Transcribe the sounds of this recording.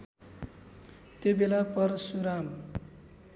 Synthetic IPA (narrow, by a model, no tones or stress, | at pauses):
t̪jobelapʌrsuɾam